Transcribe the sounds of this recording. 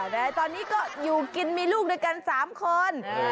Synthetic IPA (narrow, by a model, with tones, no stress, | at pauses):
ɾaː˧˩jt̪ɔː˧nːiː˦˥kɔː˥˩juː˨˩ki˧nmiː˧luː˥˩k̚doː˥˩jka˧nsaː˩˦mkʰo˧n